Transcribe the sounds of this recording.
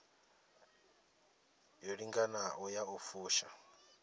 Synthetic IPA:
joɺiŋɡanaɔjaufuːʃa

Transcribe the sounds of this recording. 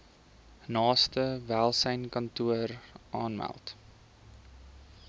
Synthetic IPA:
nɑːstəvælˠsəjnkɐntuərʔɑːnmæ̰lˠt

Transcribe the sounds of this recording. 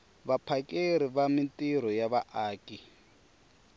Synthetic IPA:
βapʰakʼeɾiβamintʼiɾ̤ɔjaβaʔaːkʼi

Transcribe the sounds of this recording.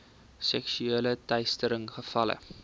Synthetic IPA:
sɛksyeːlətɛjstəɾəŋχəfɐlə̰

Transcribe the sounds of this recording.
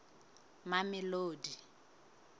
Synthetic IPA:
mamɪloːdi

